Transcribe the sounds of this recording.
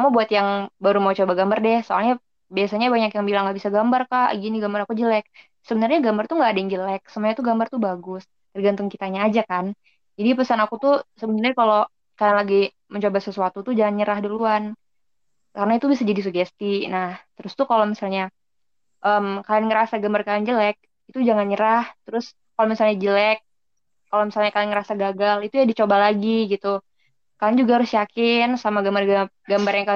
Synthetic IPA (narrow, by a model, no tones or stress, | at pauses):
amabuat̪jaŋbaɾumaut͡ʃobaɡambardɛhsoa̰lɲa | biasaɲabaɲakjaŋbilaŋɡaʔbisaɡambarkaʔɡiniɡambaɾakud͡ʒəlɛk̚ | səbənarɲaɡambart̪uŋɡaːdaiŋd͡ʒəlɛk̚səmuaɲat̪uɡambart̪ubaɡʊs | t̪ərɡant̪ʊŋkit̪aɲaːd͡ʒakan | d͡ʒadipəsanakut̪usəbənarɲakalo | kajanlaɡi | məɲt͡ʃobasəsuat̪ut̪ud͡ʒaŋanɲəɾahdiluan | kaɾənait̪ubisad͡ʒadis̬uɡɛst̪inaht̪əɾʊst̪ukalomisalɲa | ʔəmkalanŋəɾasaɡambarkalɪnd͡ʒəlɛk̚ | it̪ud͡ʒaŋanɲəɾaht̪əɾʊs | kalomisalɲad͡ʒəlɛk̚ː | alomisalɲakalɪŋəɾasaɡaɡalit̪ujadit͡ʃobalaɡiɡit̪u | kalɪŋd͡ʒuɡahaɾʊsjakɪnsamaɡambarɡ | ɡambarjaŋka